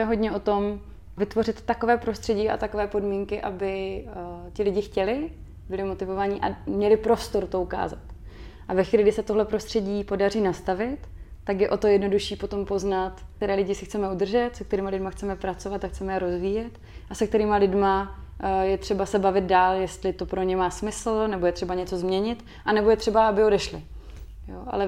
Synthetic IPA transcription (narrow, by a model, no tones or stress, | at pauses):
ɛɦo̞ɟɲɛʔo̞t̪o̞m | vɪt̪vo̞rɪt̪ːako̞vɛːpɾo̞st̪r̥ɛɟiːʔa̰t̪akovɛːpo̞dmiŋkɪʔabɪ | t̪ɪlɪɟɪxcɛlɪ | bɪlɪmo̞t̪ɪvo̞vaɲɪʔa̰mɲɛlɪpɾo̞st̪o̞ɾt̪o̞uka̰ːza̰t̪ | ʔavɛxviːlɪɡdɪsɛt̪o̞ɦlɛpɾo̞st̪r̥ɛɟiːpo̞dar̝iːnast̪avɪt̪ːakjɛʔo̞t̪o̞jɛdno̞duʃiːpo̞t̪o̞mpo̞znat̪t̪ɛɾɛːlɪɟɪsɪxt͡sɛmɛud̪r̩ʒɛt̪sɛk̚t̪ɛɾiːmalɪdmaxt͡sɛmɛpɾat͡so̞vat̪akxt͡sɛmɛjɛɾo̞zviːjɛt̪ | ʔasɛk̚t̪ɛɾiːmalɪdma | jɛt̪r̝̥ɛbasɛbavɪt̪̚daːljɛst̪lɪt̪o̞pɾo̞ɲɛmaːsmɪsl̩nɛbo̞jɛt̪r̥ɛbaɲɛt͡so̞zmɲɛɲɪt̪ | ʔanɛbo̞jɛt̪r̝̥ɛbaabɪo̞dɛʃlɪ | jo̰ːʔa̰lɛ